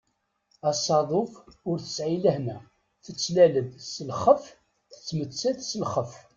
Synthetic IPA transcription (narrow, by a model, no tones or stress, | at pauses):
ɑsɑðˤofʊɾθə̥sʕiləhnæ | θət͡sːlæləðsəlχəf | θət͡sːmət͡sːæθsəlχəf